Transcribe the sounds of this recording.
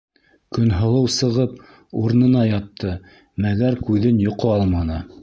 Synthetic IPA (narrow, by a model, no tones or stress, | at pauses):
kɵ̆nɦɤ̆lˠɤwsɤ̆ʁɤp̚ | uɾnɤ̆nɑjɑt̪ʰːɤ | mæɡæɾkʉðɘnjŏqoɑlˠmɑnɤ